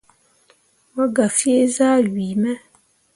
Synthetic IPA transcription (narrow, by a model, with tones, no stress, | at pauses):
mə˦ɡa˨fi˦e˦zaː˦ɥiː˨mɛ˦